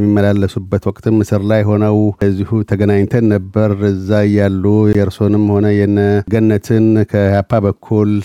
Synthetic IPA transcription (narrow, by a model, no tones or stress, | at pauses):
mːimːəlalːəsubːət̪wɔkʼt̪ʰɨmːɨsɨɾlajːho̞nəwəzːihut̪ʰəɡənaɲt̪ʰənːəbːəɾɨzːaɨjːalːujɛɾso̞nɨmːho̞nəjɛnəɡənːət̪ʰɨnkʰəhapʰːabəkʰːul